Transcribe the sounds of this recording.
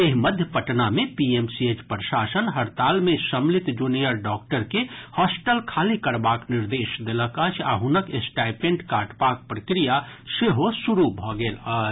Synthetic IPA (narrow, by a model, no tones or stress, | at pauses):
eɦiməd̪ʱjəpəʈnamepiemsiet͡ʃpɾəʃasənɦəɾt̪almesəmlit̪d͡ʒunijəɾɖɔk̚ʈəɾkehɔsʈəlkʰalikəɾbakniɾd̪esd̪eləkət͡ʃʰa̰ɦunəkesʈajpẽɳʈkaʈbak̚pɾəkɾijaseɦosuɾubʱɔɡeːlə